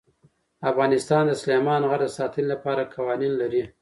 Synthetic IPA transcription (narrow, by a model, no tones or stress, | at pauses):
afɣɑnɪst̪ɑnd̪əsʊlemɑnɣaʈd̪əsɑt̪ənilapɑɾakawɑninlaɾi